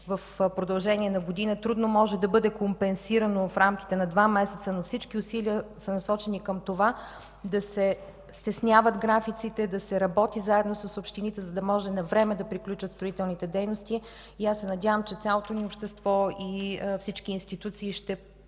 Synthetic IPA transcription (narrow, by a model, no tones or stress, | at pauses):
vəfpɾod̪ɐlˠʒɛniɛnɐɡod̪inət̪ɾud̪nomɔʒɛd̪ɐbɤd̪ɛkompɛnsiɾənofɾamk̟i̥t̪ɛnɐd̪vamɛsɛt̪sənofsit͡ʃkiʊsiliəsənɐsɔt͡ʃɛnikəmt̪ova | d̪ɐsɛ | st̪ɛsnʲjavəd̪ɡɾafit̪sit̪ɛd̪ɐsɛɾɐbɔt̪izaɛd̪nosəsopʃt̪init̪ɛzɐd̪ɐmɔʒɛnɐvɾɛmɛd̪ɐpɾiklʲut͡ʃət̪st̪ɾoit̪ɛlˠnit̪ɛd̪ɛjnost̪i | iasːɛnɐdʲjavəmt͡ʃɛt̪sʲalˠot̪oniopʃt̪ɛst̪vɔifsit͡ʃkiːnst̪it̪ut̪siːʃt̪ɛ